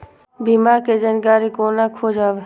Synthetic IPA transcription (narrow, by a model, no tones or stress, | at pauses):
biːmaːɾked͡ʒaːnkaːɾikoːnakʰoːd͡ʒaːʋeː